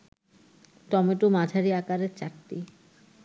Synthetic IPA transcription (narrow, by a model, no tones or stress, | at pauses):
t̪ɔmeʈomad͡ʑʱaɾiakaɾeɾt͡ɕakʈːi